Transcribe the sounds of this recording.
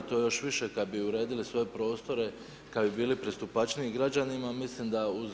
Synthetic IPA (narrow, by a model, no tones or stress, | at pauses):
t̪o̞ːjo̞ʃʋiʃe̞kad̪biuɾe̞ːd̪ilisʋo̞jepɾo̞ːst̪o̞ɾe̞ | kad̪bibiːlipɾest̪upat͡ʃniːɡɾad͡ʑanimamislimd̪auz